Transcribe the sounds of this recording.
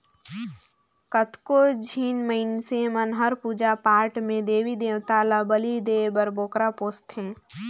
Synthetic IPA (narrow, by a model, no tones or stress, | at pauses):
kət̪kod͡ʒʱiːnməɪnsemənɦəɾpuːd͡ʒapaːɾʈmẽd̪eːʋid̪eːʋt̪aːlabəlid̪eːbəɾboːkɾapoːst̪ɦẽː